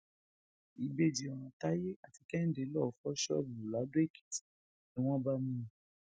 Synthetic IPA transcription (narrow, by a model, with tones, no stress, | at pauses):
i˨be˦˨d͡ʒi˨ɔ̃˨ɔ̃˨ta˦je˦ʔa˨ti˧kɛ˦n̩˦de˨˦lɔ˦˨fɔ˦ʃɔ̰˦˨bu˨la˨˦do˦e˦˨ki̥˨ti̥˨˦ | ĩ˦w̃ɔ̃˦ba˦mũ˦˨˦